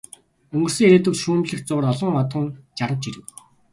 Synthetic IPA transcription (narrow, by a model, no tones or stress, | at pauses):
ɵŋɡɵ̆rsɘ̆ŋeɾeːt̪ə̆wʃuːmɮɘ̆kxt͡sʊʁrɔɮɞ̆ŋɔt̪ə̆ŋt͡ɕaɾə̆w̚t͡ɕiɾɘ̆w